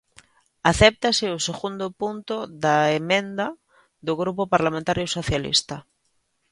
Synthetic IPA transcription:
aθɛp̚t̪asɪoseɣund̪opunt̪oðaemẽnd̪a | ðoɣɾupopaɾlamẽnt̪aɾjosoθjalḭst̪a

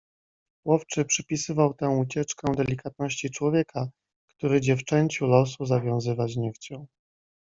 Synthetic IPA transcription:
wɔft͡ʂɘpʂɘpʲisɘvawt̪ɛ̃w̃ut͡ɕɛt͡ʂkɛd̪ɛlʲikat̪̚nɔɕt͡ɕit͡ʂwɔvʲjɛkʰa | kt̪uɾɘd͡ʑɛft͡ʂɛɲt͡ɕulɔs̬uzavʲjɔ̃w̃zɘvad͡ʑɲɛft͡ɕɔ̃

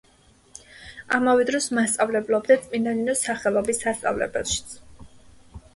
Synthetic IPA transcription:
amavɛd̪ɾɔsmast̪sʼavlɛblˠɔbd̪at̪sʼminaninɔsaχɛlˠɔbisːast̪sʼa̰vlɛ̰bɛlˠʃi̥t̪sʰ

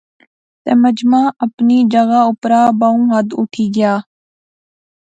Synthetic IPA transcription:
t̪ɛ̰ːməd͡ʒmãːʔəpniːd͡ʒəɣaːʊpɾaːbaːũːɦəd̪ʊʈʰiːɡɪjaː

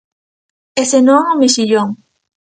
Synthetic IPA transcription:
esenoŋomeʃiʎoŋ

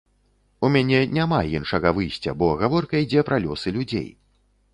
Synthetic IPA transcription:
umʲanʲɛnʲamajinʂɐɣɐvɨjsʲt͡sʲɐ̰bɔɣavɔrkɐid͡zʲɛpɾalʲɔsɨlʲud͡zʲḛj

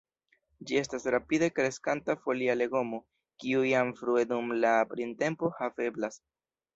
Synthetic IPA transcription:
d͡ʒie̞stasɾapide̞kɾe̞skantafo̞liale̞ɡo̞mo̞ | kiujamfɾue̞dumlapɾinte̞mpo̞have̞blas

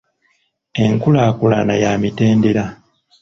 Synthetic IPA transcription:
e̞ŋkulakula̰najaːmite̞ːnde̞ɾa

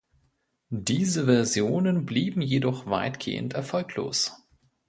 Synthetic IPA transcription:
d̥iːzəvɛɐzjoːnənbliːbm̩jedɔχv̥a̰ɪtɡ̥ḛːə̰ntɛɐfɔlkʰlo̰ːs

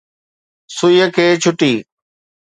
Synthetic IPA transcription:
sʊjəkʰeːt͡ɕʰʊʈiː

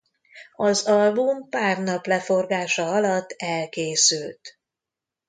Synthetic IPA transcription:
ɒzɒlbumpaːrnɒplɛfo̞rɡaːʃɒɒlɒt̪ːɛlkeːsylt̪

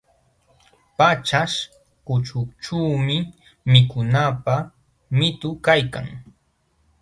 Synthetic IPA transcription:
pat͡ʃaʂ | kʊt͡ʃʊt͡ʃuːmɪ | mɪkʊnapa | mɪt̪ʊkajka̰ŋ

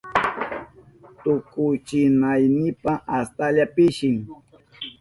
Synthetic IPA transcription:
t̪ʊkʊjt͡ʃɪnajnɪpaʔast̪aʎapɪʃɪŋ

